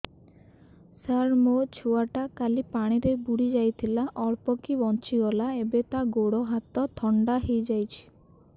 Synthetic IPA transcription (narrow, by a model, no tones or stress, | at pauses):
saɾmot͡ʃʰuaʈakalipaɽ̃iɾebuɽid͡ʒajt̪ʰilaʔɔɾpɔkibɔnt͡ʃiɡɔlaebet̪aɡoɽɔɦat̪ɔt̪ʰɔɳɖaɦejd͡ʒajt͡ʃʰi̥